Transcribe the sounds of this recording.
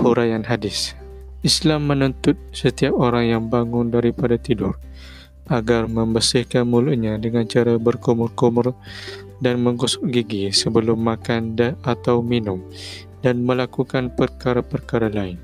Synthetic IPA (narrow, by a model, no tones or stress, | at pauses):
huɾajanɦadɪs | islamːənənt̪ʊt̪̚sət̪iap̚oɾaŋjaŋbaŋʊndaɾipadat̪idʊr | ʔaɡarmə̃mbəsɪhkanmuluʔɲadəŋant͡ʃaɾabərkumʊrkumʊr | danməŋɡusʊ̥ʔɡiɡisəbəlʊmːakandəat̪awminʊm | danməlakukanpərkaɾapərkaɾalaɪn